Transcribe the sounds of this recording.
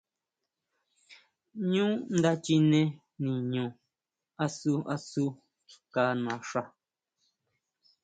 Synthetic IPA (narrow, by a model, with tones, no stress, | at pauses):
ɲũ˦n̩˦d̪a˦t͡ʃi˦nɛ̃˦ | nĩ˨ɲõ˨ | a˦su˦a̰˦su˦ | ka˦nã˨ʂa˦